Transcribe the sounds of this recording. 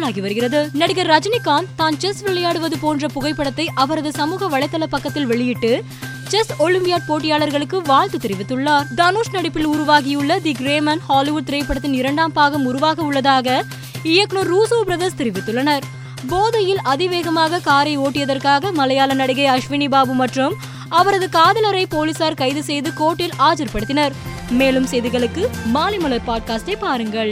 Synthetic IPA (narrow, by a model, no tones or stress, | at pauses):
ɭaːɣiʋɐɾɯɣɪrɐðɯnɐɽɪɣɐɾːɐd͡ʒɐnɪkːaːnt̪aːnt͡ʃɛsʋɪɭɐjaːɽɯʋɐðɯpoːndrɐpʊɣɐɪpːɐɽɐt̪ːɐɪʔɐʋɐɾɐðɯsɐmuːɣɐʋɐɭɐɪt̪ːɐlɐpːɐkːɐt̪ːɪlʋɛɭɪjɪʈːɯ | t͡ʃɛsɔɭɪmpɪjaːʈ̚poːʈ̬ːɪjaːɭɐɾɣɐɭɯkːɯʋaːɭt̪ɯt̪ɪɾɪʋɪt̪ːɯɭːaːɾd̪aːnoːsnɐɽɐpːɪlʊɾʊʋaːɣɪjɯɭːɐd̪iɡɾeːmɐnhaːlɪʋʊɖ̚t̪ɪɾɐɪpːɐɽɐt̪ːɪnɪɾɐɳɖaːmpaːɣɐmʊɾʊʋaːɣɐʊɭːɐðaːɣɐ | ɪjɐkɳoːɾːuːsoːbɾɐðɐst̪ɪɾɪʋɪt̪ːɯɭːɐnɐɾ | boːðɐjɪlɐðɪʋeːɣɐmaːɣɐkaːɾɐɪoːʈːɪjɐðɐrkaːɣɐmɐlɐjaːlɐnɐɽɪɣɐɪɐʂʋɪnibaːbɯmɐʈrɐm | ɐʋɐɾɐðɯkaːðɐlɐɾɐɪpoːlɪsaːɾkɐɪðɯsɛjðɯkoːʈːɪlʔaːt͡ʃɐɾpɐɽɯt̪ːɪnɐɾ | meːlɯmsɛjðɪɣɐɭɯkːɯmaːlɪmɐlɐɾpaːɖ̚kaːsʈɐɪpːaːɾɯŋɡɐɭ